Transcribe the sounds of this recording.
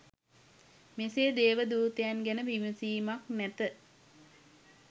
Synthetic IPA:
meseːd̪eːʋəd̪uːt̪əjanɡænəʋiməsiːmaknæt̪ə

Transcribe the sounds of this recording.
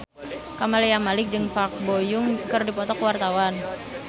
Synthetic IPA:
kamalijamalɪk̚d͡ʒɨŋpak̚bojʊŋkɨrdipɔt̪ɔkəwart̪awan

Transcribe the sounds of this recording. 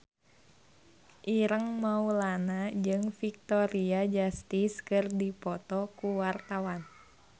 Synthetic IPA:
ʔiɾəŋmaulanad͡ʒɨŋfik̚t̪ɔɾiad͡ʒast̪iskɨrdipɔt̪ɔkuwart̪awan

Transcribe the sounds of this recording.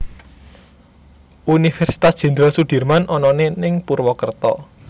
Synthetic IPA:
ʔunifɛrsi̥t̪asd̥ʒ̥ɛ̤nd̪ɾɔsud̥i̤rmanʔɔnɔnenɪŋpurwɔkərt̪ɔ̰

